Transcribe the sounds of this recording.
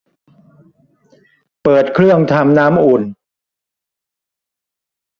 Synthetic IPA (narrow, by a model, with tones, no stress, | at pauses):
pɤː˨˩t̪̚kʰɾɯ˥˩əŋt̪ʰa˧mnaː˦˥mʔuː˨˩n